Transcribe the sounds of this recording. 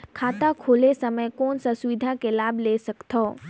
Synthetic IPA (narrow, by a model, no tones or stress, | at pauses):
kʰaːt̪akʰoːlesəməjkoːnsãsuʋɪd̪ʱãkelaːbʱlesɐkt̪ʰɔː